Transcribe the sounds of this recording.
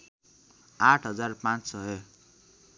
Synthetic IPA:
aʈʰɦʌd͡zarpãt͡ssʌɦe

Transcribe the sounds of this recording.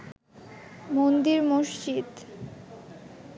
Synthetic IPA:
mond̪iɾmoʃt͡ɕid̪

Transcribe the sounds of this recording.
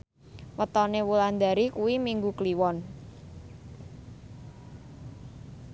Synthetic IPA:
wət̪ɔnewuland̪aɾikuwimiŋɡukliwɔn

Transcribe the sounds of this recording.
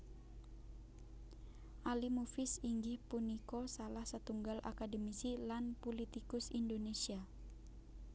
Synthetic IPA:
ʔalimufɪsiŋɡɪhpunikosalahsət̪uŋɡalʔa̰kadəmisilanpulit̪ikʊsindonesia

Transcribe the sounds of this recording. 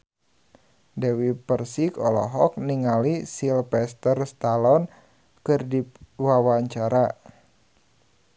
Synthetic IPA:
dɛwipərsikɔlɔ̰ɦɔk̚niŋalisilpɛst̪ərst̪alɔn | kɨrdiwawaɲt͡ʃaɾa

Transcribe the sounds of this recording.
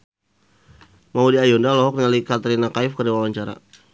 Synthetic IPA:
maudiajɔndalɔɦɔk̚nalikat̪əɾinakaɪfkərdiwawaɲt͡ʃaɾa̰

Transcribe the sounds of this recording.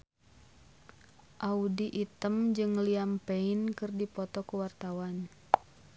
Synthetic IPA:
ʔaudiʔit̪əmd͡ʒɨŋliampeinkɨrdipɔt̪ɔkuwart̪awan

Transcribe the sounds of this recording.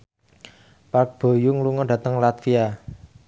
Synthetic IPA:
park̚b̥o̤jʊŋluŋɔɖä̤t̪əŋlat̪fia

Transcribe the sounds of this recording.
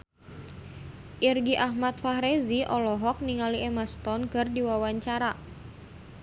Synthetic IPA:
ʔirɡiʔahmat̪̚faɦɾeziʔɔlɔɦɔk̚niŋaliʔɛmast̪ɔnkɨrdiwawaɲt͡ʃaɾa

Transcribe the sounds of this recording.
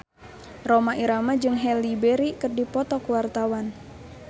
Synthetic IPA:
romaʔiɾamad͡ʒɨŋɦɛlibɛɾikɨrdipɔt̪ɔkuwart̪awan

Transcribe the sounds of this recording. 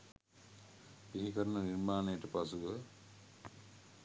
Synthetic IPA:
piɦikɐɾɐnɐniɾmaːnɐjʈɐpɐsuɡə

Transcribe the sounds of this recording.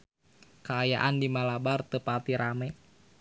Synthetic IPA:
kaːja̰ʔandimalabart̪əpat̪iɾamɛ

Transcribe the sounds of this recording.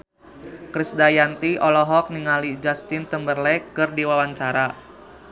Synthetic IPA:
kɾisdajant̪iʔɔlɔɦɔk̚niŋalid͡ʒast̪ɪnt̪əmbərlɛkɨrdiwawaɲt͡ʃaɾa

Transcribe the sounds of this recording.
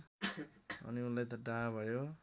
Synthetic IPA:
ʌ̰niunlajt̪ʌɖaɦabʱʌjo

